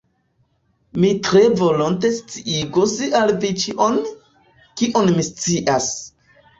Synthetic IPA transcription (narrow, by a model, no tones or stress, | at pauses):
mitɾe̞vo̞lonte̞st͡siʔiɡosalvit͡ʃiʔon | kiʔonmist͡siʔas